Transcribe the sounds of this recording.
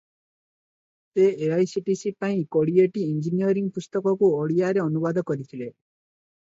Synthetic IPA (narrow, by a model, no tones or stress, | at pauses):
t̪eeajsiʈisipaĩkoɽieʈiind͡ʒiniɔɾiŋpust̪ɔkɔkuɔɽijaɾeɔnubad̪ʱɔkɔɾit̪ʰile